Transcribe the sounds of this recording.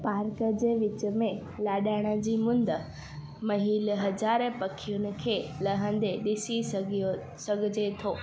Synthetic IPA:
paːɾkəd͡ʑeːʋɪt͡ɕə̆mẽ | laːɗaːɪɽ̃ə̆d͡ʑiːmʊ̃nd̪ə | mɐɦiːlɦɐd͡ʑaːɾepɐkʰijʊnɪ̆kʰeːlɐɦə̃n̆d̪eɗɪsiɡo | sɐɡʱɪd͡ʑet̪ʰoː

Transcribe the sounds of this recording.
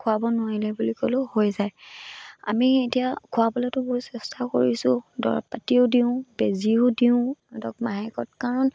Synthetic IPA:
kʰʊabɔnʊwaɹilɛbulikolʊhojzaj | a̰mietijakʰʊabɔlɛtʊbɔɹsɛstʰako̰ɹisʊ̃dɔ̰ɹapatiʊdiʊ̃beziʊdiʊ̃dɔkmaɦakɔt̚kaɹɔn

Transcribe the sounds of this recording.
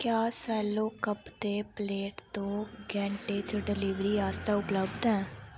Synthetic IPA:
kjaːsɛːloːkəpd̪eːpleːʈt̪õːɡɛ̃ːɳʈeːt͡ʃəɖɪliːʋɾiːaːst̪aːʊpləbd̪ɛ̃ː

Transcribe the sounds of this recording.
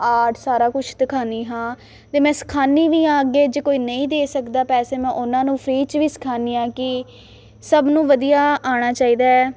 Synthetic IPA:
aːʈʰsaːɾaːkʊt͡ʃʰd̪ɪkʰaːniːɦãː | t̪eːmɛ̃ːsə̥kʰaːniːʋiːãːəɡeːd͡ʒeːkoːiːnəĩːd̪eːsəkd̪aːpɛːseːmɛ̃ːʔʊnãːnũːpʰɾiːt͡ʃʋiːsə̥kʰaːniːãːkɪ | səbnũːʋəd̪ijaːaːɽ̃aːt͡ʃaːiːd̪aːɛː

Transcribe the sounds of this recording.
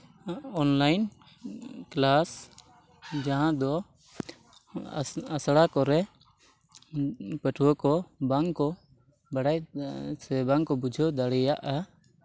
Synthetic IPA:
ɔnlajn | klas | d͡ʒaɦãd̪ɔ | asɽakɔɾɛ | pɛʈʰwɔkɔbaŋkɔ | baɽaj | ɛbaŋkɔbud͡ʒʱɔd̪aɽɛjaʔa

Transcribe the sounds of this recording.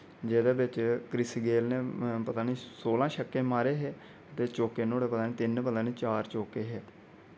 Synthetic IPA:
d͡ʒeːd̪eːbɪt͡ʃkɾɪsɡeːlneːpət̪aːniːsoːlãːʃəkːẽːmaːɾeːɦeː | ət̪eːt͡ʃoːkeːnoːɽeːpət̪aːniːt̪ɪnpəd̪ãːneːt͡ʃaːɾt͡ʃoːkeːɦeː

